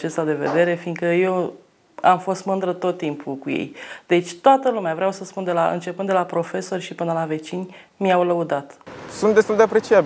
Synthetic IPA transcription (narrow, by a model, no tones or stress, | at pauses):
t͡ʃest̪ad̪e̞ve̞̰d̪e̞ɾe̞fiŋɡkəje̞w | amfo̞st̪mɨnd̪ɾət̪o̞t̪ːimpʰukujḛjd̪̥e̞t͡ʃʲt̪oat̪əlumeavɾeawsəspund̪e̞laʔɨ̰nt͡ʃe̞pɨnd̪d̪elapɾo̞fe̞so̞rʲʃipɨnəlave̞t͡ʃinʲ | miawləud̪at̪sunt̪d̪e̞st̪uld̪eapɾe̞t͡ʃiabi